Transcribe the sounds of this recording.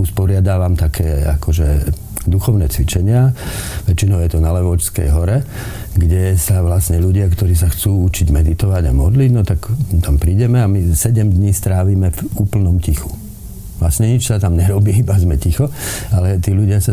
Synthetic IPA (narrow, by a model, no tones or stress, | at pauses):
uspɔɾɪad̪aːʋamt̪akʰɛːa̰kɔʒɛ | d̪uxɔʊnɛːt͡sʋit͡ʃɛɲɪaʋɛt͡ʃinɔʊjɛt̪ɔnalɛʋɔt͡ʃskɛ̰jɦɔɾɛ | ɡɟɛsaʋlasɲɛluɟɪakt̪ɔɾiːs̬axt͡suːut͡ʃiɟmɛd̪it̪ɔʋaɟamɔd̪liɟnɔt̪akt̪ampɾiːɟɛmɛamisɛɟɛmd̪ɲiːst̪ɾaːʋiːmɛvuːpl̩nɔmcixu̥ | lasɲɛɲit͡ʃsat̪amɲɛɾɔbiːibazmɛcixɔalɛt̪iːʎuɟɪasa